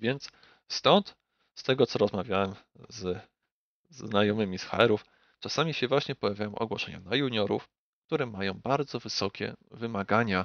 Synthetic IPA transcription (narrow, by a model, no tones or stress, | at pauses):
vʲjɛnt̪s | st̪ɔnt̪ | st̪ɛɡɔt̪ɔɾɔzmavʲjawɛm | z | zːnajɔmɘmʲisxa̰ɛɾuf | t͡ʂasamʲiɕɛvwaɕɲɛpɔjavʲjajɔ̃w̃ʔɔ̰ɡwɔʂɛɲa̰najuɲɔɾṵf | k̚t̪uɾɛmajɔ̃w̃baɾd̪zɔvɘsɔkʲɛ̰vɘmaɡaɲa